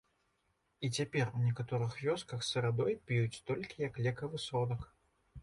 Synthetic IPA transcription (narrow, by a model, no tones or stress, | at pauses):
it͡sʲapʲɛrwnʲɛkat̪ɔɾɨxvʲɔskɐxsɨɾad̪ɔjpʲjut͡sʲt̪ɔlʲkʲijɐklʲɛkɐvɨsɔd̪ɐk